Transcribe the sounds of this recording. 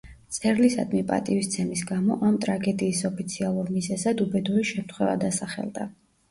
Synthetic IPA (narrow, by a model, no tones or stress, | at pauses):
t̪sʼɛɾlisa̰d̪mipʼa̰t̪ʼivist̪sʰɛmisɡamɔʔamt̪ʼɾaɡɛd̪iːsɔpʰit̪sʰialˠuɾmizɛzad̪ubɛd̪uɾiʃɛmt̪χwɛva̰d̪asaχɛ̰lˠd̪a̰